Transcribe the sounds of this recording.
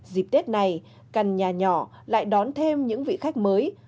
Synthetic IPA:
zi˨˩p̚t̪e˦˥t̚na˨˩j | ka˨˩jŋ̟ɲaː˨˩ɲɔ˧˩la̰ː˧˨jɗɔ˨˦nt̪ʰe˧mɲɨ̰˧˥ŋvḭ˧˨xa˦˥jk̟̚məː˨˦j

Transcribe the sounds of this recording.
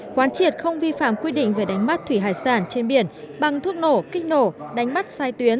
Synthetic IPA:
kwaː˨˦nt͡ɕi˨˩ət̚xə˧wŋ͡mvi˧fa̰ː˧˨mkwi˧ɗḭ̈˧˨ŋ̟ve˨˩ɗa˨˦jŋ̟ma˦˥t̚t̪ʰwi˧˩ɦa̰ː˧˨jsaː˧˩nt͡ɕe˧nɓi˧˩ən | ɓa˨˩ŋt̪ʰu˦˥ək̚no˧˩kï˦˥k̟̚no˧˩ɗa˨˦jŋ̟ma˦˥t̚saː˧jt̪wi˨˦ən

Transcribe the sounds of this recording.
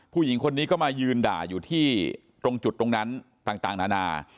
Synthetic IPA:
pʰuː˥˩ji˩˦ŋkʰo˧nːiː˦˥kɔː˥˩maː˧jɯː˧nda̰ː˨˩juː˨˩t̪ʰiː˥˩ | t̪ɾo˧ŋt͡ɕu˨˩t̪ːɾo˧ŋna˦˥n | t̪aː˨˩ŋt̪aː˨˩ŋnaː˧naː˧

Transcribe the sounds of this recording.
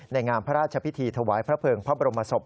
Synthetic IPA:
na˧jŋaː˧mpʰa˦˥ɾaː˥˩t̪̚t͡ɕʰa˧pʰi˦˥t̪ʰiː˧t̪ʰa˧waː˩˦jpʰɾa˦˥pʰɤː˧ŋpʰɾa˦˥ba˧ɾo˧mːa˧so˨˩p̚

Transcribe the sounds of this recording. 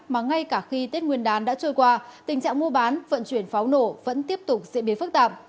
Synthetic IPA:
maː˨˩ŋa˧jkaː˧˩xi˧t̪i˦˥t̚ŋwi˧ənɗaː˨˦nɗa̰ː˧˥t͡ɕəː˧jkwaː˧t̪ï˨˩ŋ̟t͡ɕa̰ː˧˨ŋmo˧əɓaː˨˦nvə̰˧˨nt͡ɕwi˧˩ənfa˨˦wno˧˩və̰˧˥nt̪i˦˥əp̚t̪ʊ˨˩k͡p̚zḭ˧˨ɓi˨˦fɨ˦˥k̚t̪a̰ː˧˨p̚

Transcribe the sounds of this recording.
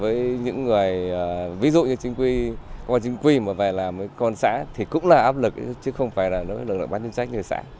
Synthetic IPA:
vəː˨˦jɲɨ̰˧˥ŋːɨ˨˩əjəː˨˩vi˨˦zṵ˧˨ɲɨ˧t͡ɕï˧˦ŋ̟kwi˧kɔ˧a˧t͡ɕï˧˦ŋ̟kwi˧maː˨˩vaː˨˩laː˨˩mːəː˨˦jkɔ˧nsa̰ː˧˥t̪ʰi˨˩kʊ̰˧˥ŋ͡mlaː˨˩ʔaː˦˥p̚lɨ˨˩k̚ʔt͡ɕɨ˨˦xə˧wŋ͡mfaː˧˩jlaː˨˩nə˨˦wɨ˨˩kl̰̚ɓa˨˦t͡ɕi˧nsa˦˥jk̚ɲ˧ə˨˩sa̰ː˧˥

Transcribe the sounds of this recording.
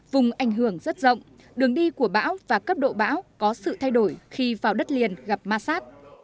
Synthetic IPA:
vʊ˨˩ŋ͡mʔa˨˧˩jŋ̟ɦɨ˧˩əŋzə˦˥t̚zə̰˧˨wŋ͡m | ɗɨ˨˩əŋɗi˧ku˧˩əɓa̰ː˧˥wvaː˨˩kə˦˥p̚ɗo̰˧˨ɓa̰ː˧˥wkɔ˨˦sɨ̰˧˨t̪ʰa˧jɗo˧˩jxi˧vaː˨˩wɗə˦˥t̚li˨˩ənɣa˨˩p̚maː˧saː˦˥t̚

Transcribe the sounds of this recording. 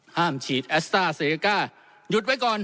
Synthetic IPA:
haː˥˩mt͡ɕʰiː˨˩t̪̚ʔɛ˦˥st̪aː˥˩se˧i˧kaː˥˩ | ju˧˦t̪̚wa˦˥jkɔː˧n

